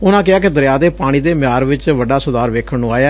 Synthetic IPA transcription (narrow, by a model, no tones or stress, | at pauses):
ʊnãːk̬ɪaːk̬ɪd̪əɾɪjaːd̪eːpaːɽ̃iːd̪eːmɪjaːɾʋɪt͡ʃʋəɖaːsʊd̪aːɾʋeːkʰənũːaːjaː